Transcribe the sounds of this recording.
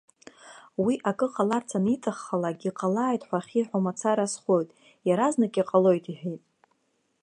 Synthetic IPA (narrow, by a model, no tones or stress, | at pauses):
wiʔakʼɨqʼalart͡sʰanitʼaχːalaɡʲiqʼalaːjtʼħʷaχʲiħʷᶣamat͡sʰaɾasχo̞jtʼ | jaɾaznakʼiqʼalo̞jtʼiħᶣejtʼ